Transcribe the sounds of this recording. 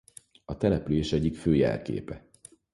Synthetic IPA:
ɒt̪ɛlɛpyleːʃɛɟːikføːjɛ̰lkḛːpɛ

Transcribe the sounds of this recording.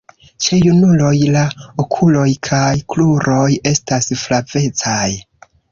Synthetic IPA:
t͡ʃejunulo̞jlaokʰulo̞jkʰajkluɾʔo̞je̞stasflave̞t͡saj

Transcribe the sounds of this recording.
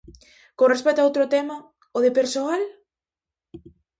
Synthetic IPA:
kõnrespɛk̚t̪oaowt̪ɾot̪ɛmɐ | oðepeɾsoal

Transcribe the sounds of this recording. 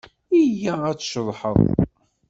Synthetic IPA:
ijææt͡sːʃəðˤħə̰ðˤ

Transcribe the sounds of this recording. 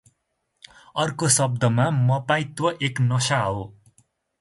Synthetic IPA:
ʌrkosʌb̚d̪ʌmamʌpaĩt̪oʔeknʌsaɦo

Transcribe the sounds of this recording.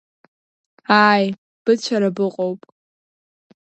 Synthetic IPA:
aːj | b̥ɨt͡ʃʷʰaɾabɨqʼowpʼ

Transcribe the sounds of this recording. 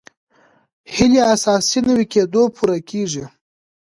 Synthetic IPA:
hɪliasɑsinawiked̪opʰuɾakʰeʐi

